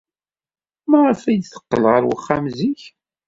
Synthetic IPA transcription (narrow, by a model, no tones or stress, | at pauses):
mæʁəfæjd̪θə̥qːəlʁəɾwə̰χːamziç